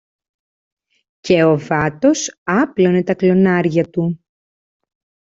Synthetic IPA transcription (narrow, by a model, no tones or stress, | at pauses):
ce̞o̞vɐt̪o̞sɐplo̞ne̞t̪ɐklo̞nɐɾʝɐt̪u